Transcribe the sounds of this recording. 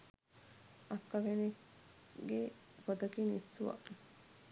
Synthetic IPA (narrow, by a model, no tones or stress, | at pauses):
ʔɐkːɐʋene | ɡe | fod̪ɐkiːnisːuʋɐ̰